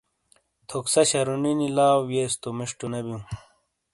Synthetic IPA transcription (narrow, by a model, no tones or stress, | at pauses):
t̪ʰoksɐɕɐɾuninilaːwjeːst̪omiʂʈunɐbjũ